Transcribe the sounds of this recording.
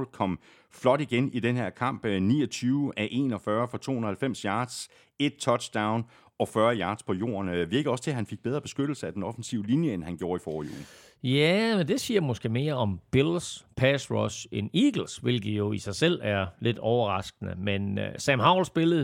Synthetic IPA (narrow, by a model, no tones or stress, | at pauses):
lkʰɒ̽m̰ | flɒ̽ɾ̥iɡ̥enid̥enheɐ̰kʰɑ̈m̰b̥nḭːɒt͡sʰyːʊəʔæʔe̝nɒ̽fɶɐfɒ̽t͡sʰo̝̰ːhunð̩ˠɐhælfem̰sjɑ̈ːd̥s | e̝d̥̚t͡sʰɒ̥ɕd̥ɑ̈ʊn | ɒ̽fɶɐjɑ̈ːd̥spʰɒ̽jo̝̰ːɐnʋiɐɡ̥əɒ̽st͡sʰe̝hænfe̝ɡ̥̚b̥eð̞ˠɐb̥e̝sɡ̥ød̥l̩səæd̥enɒ̽fn̩siʊlinjəenhænɡ̥jo̝ːɐifɒːjṵː | jæmend̥e̝siːɐ̰mɔ̽sɡ̥e̝̰me̝ːɐɒ̽mb̥elspʰæsʁɔseniɡ̥l̩sʋe̝lɡ̥̩joisɑ̈ɪsel̰æɐle̝d̥ɒʊɐʁɑ̈sɡ̥ənə̰menøsæmɦɑ̈ʊ̰lsb̥e̝lð̩ˠ